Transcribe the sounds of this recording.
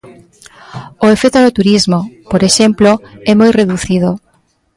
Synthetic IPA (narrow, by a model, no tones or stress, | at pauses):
oefet̪ʊðot̪uɾizmopoɾeʃemploɛmojreðuθið̞o